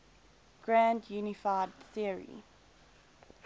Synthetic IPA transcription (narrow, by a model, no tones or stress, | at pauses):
ɡ̥ɹæ̃ndjʉːnɪfaɪdθiəɹḭ